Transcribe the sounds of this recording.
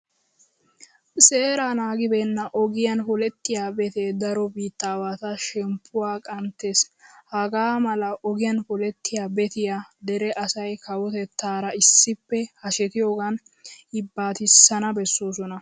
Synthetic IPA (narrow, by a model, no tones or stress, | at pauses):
se̞ːɾaːnaːɡɪbenːɐʔɔɡɪjɐnfɔlɛt̪ːɪjaːbɛt̪ɛd̪ɐɾɔbiːt̪ːaːwaːt̪ɐʃɛmpʰːʊwaːkʼɐnt̪ːeshɐɡaːmɐlɐʔɔɡɪjɐnfɔlɛt̪ːɪjaːbɛt̪ɪjaːd̪ɛɾɛʔɐsɐjkɐwɔt̪ɛt̪ːaːɾɐɪsːɪpːɛhɐʃɛt̪ɪjo̞ːɡɐn | ɪbːaːt̪ɪsːɐnɐbɛsːo̞ːsɔnɐ